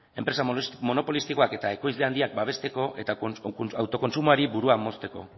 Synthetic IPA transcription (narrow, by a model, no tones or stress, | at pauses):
e̞mpɾesamo̞no̞po̞list̪iko̞ake̞t̪ae̞ko̞jzle̞and̪iak̚baβ̞e̞st̪e̞ko̞ʔe̞t̪aawt̪o̞ko̞nsumoaɾibuɾuamo̞st̪e̞ko̞̰